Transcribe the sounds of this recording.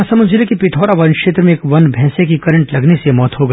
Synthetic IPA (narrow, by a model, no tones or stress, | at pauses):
sɐmɐd͡ʒɪlekipɪʈʰɔːɾaʋɐnkʃeːt̪ɾəmẽːkʋɐnbʱɛːsekikɐɾə̃ɳʈlɐɡnesemɔːt̪ɦoɡɐ